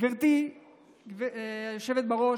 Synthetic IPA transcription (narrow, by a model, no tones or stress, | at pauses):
viʁt̪i | vjoʃevet̪̚baʁo̞